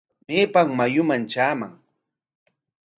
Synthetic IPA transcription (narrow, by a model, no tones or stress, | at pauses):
meːpaŋmajʊmant͡ʃaːma̰ŋ